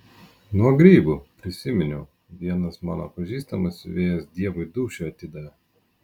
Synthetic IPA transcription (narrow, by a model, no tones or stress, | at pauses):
nuɔɡɾʲiːbupʲɾʲɪsʲɪmʲɪnʲʊ | ʋʲiɛnɐsmɑ̰ːno̰pɐʒʲiːst̪ɐmɐsʲʊ̰ʋʲeːjɛsd̪ʲiɛʋʊɪd̪uːʃʲʊɐt̪ʲɪd̪ɐʋʲɛ